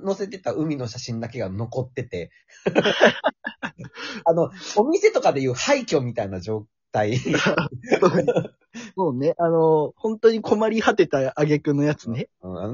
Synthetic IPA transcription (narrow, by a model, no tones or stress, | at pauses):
no̞se̞t̪e̞t̪aɯ̟mʲino̞ɕaɕĩnd̪ake̞ɡano̞ko̞t̪ːe̞t̪e̞ | ano̞omʲise̞t̪o̞kad̪e̞jɯ̟ːhaikʲo̞ːmʲit̪ainad͡ʑo̞ː | t̪ai | o | soːne̞ʔano̞hõ̞nt̪o̞ɲ̟ikʰo̞maɾʲihat̪e̞t̪aːɡe̞kɯ̟nːo̞jat͡sɨ̥ne̞ɯ̟̃a̰no